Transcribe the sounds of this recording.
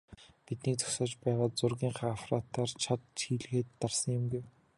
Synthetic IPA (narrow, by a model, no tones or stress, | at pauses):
pit̪̚niːk̚t͡sɔ̥sɔːt͡ɕpæːʁaːt͡sʊrɣʲiːŋχaːafrat̪aːrt͡ɕʰat̪t͡ɕʰiːɮxeːt̪ːarsə̆ŋjɪ̆mɡuw